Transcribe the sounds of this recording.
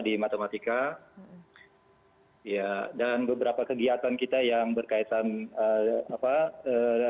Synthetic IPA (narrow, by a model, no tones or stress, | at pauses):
dimat̪emat̪ika | jadanbəbəɾapakəɡiat̪ankit̪ajaŋbərkait̪anəapaə